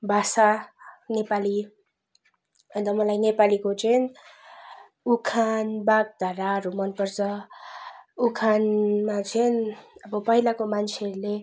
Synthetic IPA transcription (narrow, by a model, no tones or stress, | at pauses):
bʱasanepali | ʌnd̪ʌmʌlajnepalikot͡sʰʌn | ukʰanbaɡ̚d̪ʱʌɾaɾumʌnpʌrt͡sʌ | ukʰanmat͡sʰʌnʌbʌpʌɦilakomant͡sʰeʌɾule